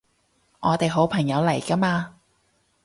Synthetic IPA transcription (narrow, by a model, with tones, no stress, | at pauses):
ŋɔː˨˧t̪e˨jɦo˨˥wpʰɐ˨˩ŋjɐ˨˧wlɐ˨˩jkɐ˥maː˧